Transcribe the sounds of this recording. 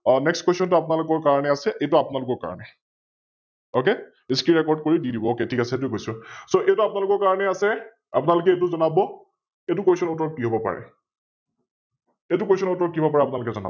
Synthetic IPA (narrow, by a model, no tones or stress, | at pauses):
ɔnɛkstkwestɔnt̬ʊapʊnalʊkɔɹkaɹɔnɛasɛʔejtuapʊnalʊkɔɹka̰ɹɔ̰nɛ | ok̬e | eskɹiɹɛkɔɹd̚koɹididibɔoketʰikasɛet̬ʊeɡojsʊsoʔejtuapʊnalʊkɔɹkaɹɔnɛasɛ | apʊnalʊkɛet̬ʊzɔnabɔ | etʊkwojsɔnɔtɔɹɔkːiɦobɔpa̰ɹɛ̰ | etukwosɔnɔtɔɹɔkːiɦobɔpaɹɛapʊnalʊkɛzɔna̰b